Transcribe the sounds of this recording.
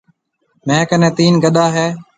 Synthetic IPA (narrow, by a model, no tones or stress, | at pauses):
mẽːkənẽːt̪iːnɡəɗ̪aːɦeː